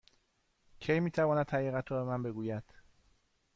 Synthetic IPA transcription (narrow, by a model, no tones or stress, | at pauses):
cʰejmiːt̪ʰævɒːnæd̪hæɾiːɣæt̪ʰɒːbe̞mænbe̞ɡuːjæd̪̥